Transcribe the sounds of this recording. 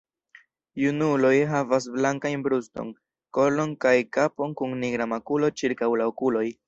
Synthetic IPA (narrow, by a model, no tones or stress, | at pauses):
junulo̞jɦavas̬blaŋkajnbɾusto̞̰n | ko̞lo̞nkajkapo̞ŋkuŋniɡɾamakulo̞t͡ʃiɾkawlaokulo̞j